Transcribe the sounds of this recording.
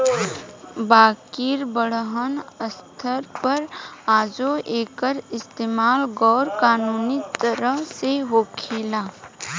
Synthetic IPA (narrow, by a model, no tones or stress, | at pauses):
baːkiːɾbəɽɦənəst̪ʰəɾpəɾaːd͡ʒoʔeːkəɾɪst̪eːmaːlɡɔːɾkaːnuːnit̪əɾəɦseɦoːkʰeːlaː